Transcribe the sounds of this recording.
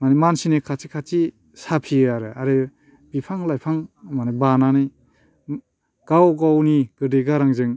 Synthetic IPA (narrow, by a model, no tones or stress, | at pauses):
manemansinekʰat͡ʃikʰat͡ʃi | sapʰiaɾɯaɾɯ | bipʰaŋlajpʰaŋmanabananɯj | ɡ̥awɡawniɡ̥ɯdɯɡaɾaŋzɯŋ